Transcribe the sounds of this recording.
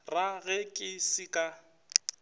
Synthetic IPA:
raɣɛkʼɪsɪkʼa

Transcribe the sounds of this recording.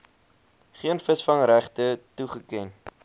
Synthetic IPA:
χiənfəsfɐŋɾæχtətuχəkɛn

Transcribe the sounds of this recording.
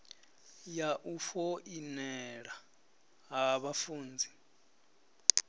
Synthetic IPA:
jaʔufɔinɛɺa | ɦaβafuːnd͡zʱi

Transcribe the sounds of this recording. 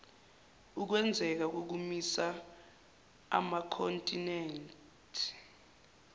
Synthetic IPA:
uk̬wɛnd͡zʱɛk̬ak̬ok̬umisa | a̰makʰɔntʼinɛːn | tʰi̥

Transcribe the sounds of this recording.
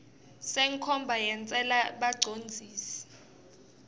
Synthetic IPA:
seŋ̩kʰɔmbʱajɛnt͡sʼɛlaɓaɡ͡ǀʱond͡zʱiːsi̥

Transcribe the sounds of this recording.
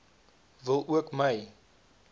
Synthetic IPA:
vəlˠʔuəkməj

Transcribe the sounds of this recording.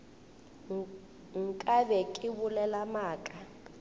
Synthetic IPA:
ŋ̩kʼaβɛkʼiβulɛlamaːkʼa

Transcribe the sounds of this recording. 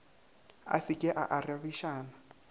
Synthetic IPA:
a̰sɪkʼɪʔa̰ʔarɪaβiʃaːna

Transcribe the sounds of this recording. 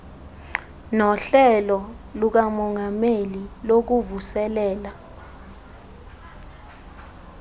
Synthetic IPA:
nɔɬɛlɔ | luk̬amɔŋɡʱamelilok̬uvusɛlɛːla

